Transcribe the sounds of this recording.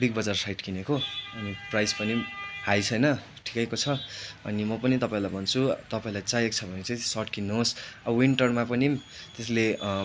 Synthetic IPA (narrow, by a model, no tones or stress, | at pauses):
ɽik̚bʌd͡zarsajʈkinekoʌniprajspʌnihajt͡sʰʌjnʌ | ʈʰi̥kʌjkot͡sʰʌʌ̰nimʌpʌnit̪ʌpaĩlajbʱʌnt͡sʰut̪ʌpaĩlajt͡sajek̚t͡sʰʌbʱʌnet͡saĩsʌʈkinːuɦosʌʌwiɳʈʌrmapʌnimt̪esle